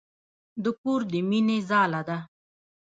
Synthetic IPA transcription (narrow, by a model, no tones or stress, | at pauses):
d̪əpuɾd̪əminezɑːlad̪a